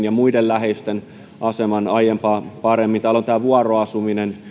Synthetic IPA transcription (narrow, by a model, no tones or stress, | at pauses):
njɑmuidellæheist̪en | ʔɑsemɑnɑjempɑːpɑremːint̪æːlont̪æːʋuɑroɑsuminen